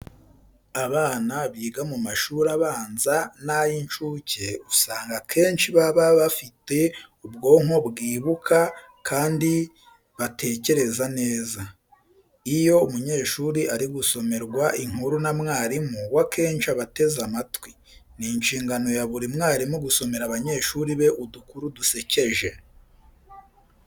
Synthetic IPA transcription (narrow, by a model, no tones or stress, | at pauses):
aβaːnaβiːɡamumaʃuɾaβaːnzanajint͡ʃuːce̞usaːŋɡakʰe̞ːnt͡ʃiβaβaβafite̞ubɡo̞ːŋ̥o̞bɡiːβukʰa | kʰaːndi | βatʰe̞ːce̞ɾe̞zane̞ːza | ijo̞umuɲe̞ːʃuːɾiʔaɾiɡuso̞me̞ɾɡwaʔiŋ̥huɾunamŋaːɾimuwake̞ːnt͡ʃiaβate̞zamatwi | ninʃiːŋɡano̞jaβuɾimŋaːɾimuɡuso̞me̞ɾaβaɲe̞ːʃuɾiβe̞ʔudukuɾuduse̞ce̞ʒe̞